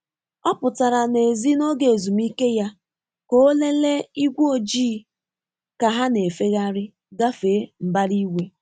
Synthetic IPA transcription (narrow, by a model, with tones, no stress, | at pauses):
ɔ˦pʊ˨ta˨ɾa˨ne˨zi˦no˦ɡe˨e˨zu˨mi˦ke˦ja˦ | ko˦le˦le˦i˦ɡʷo˦d͡ʒiː˦ | ka˨ɦa˦ne˨fe˦ɣa˦ɾɪ˦ | ɡa˦fe˨˦m̩˨ba˦ɾi˦wʷe˦